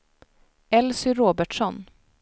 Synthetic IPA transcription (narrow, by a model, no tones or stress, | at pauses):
ɛlsʏɾoːbəʈʂɔn